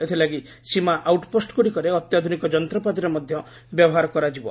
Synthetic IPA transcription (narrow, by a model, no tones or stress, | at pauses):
et̪ʰilaɡi | simaʔawʈposʈkuɽikɔɾeɔt̪jad̪ʱunikɔd͡ʒɔnt̪ɾɔpat̪iɾɔmɔd̪ʱjɔ | bjɔbɔɦaɾɔkɔɾad͡ʒibɔ̰